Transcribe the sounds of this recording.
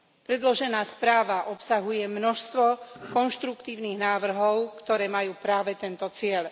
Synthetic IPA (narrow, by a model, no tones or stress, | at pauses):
pɾɛd̪lɔʒɛnaːspɾaːʋaʔɔpsaɦujɛmnɔʃst̪ʋɔkɔnʃt̪ɾukt̪iːʊniːɣnaːʋr̩ɦɔʊkt̪ɔɾɛːmajuːpɾaːʋɛt̪ɛnt̪ɔt͡sɪɛl